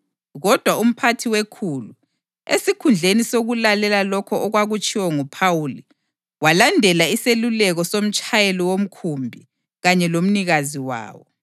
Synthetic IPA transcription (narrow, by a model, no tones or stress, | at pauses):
ɣɔd̥ʱwaum̩pʰatʰiwekʰulu | ḛsikʰund͡ɮʱenisoɣulalɛlalɔkʰɔɔɣwaɣut͡ʃʼiwɔŋupʰawuli | walandʱɛlaiselulɛɣɔsom̩t͡ʃʼajelɔwom̩kʰumbʱi | ɣaɲɛlom̩niɣaziwa̰ːwɔ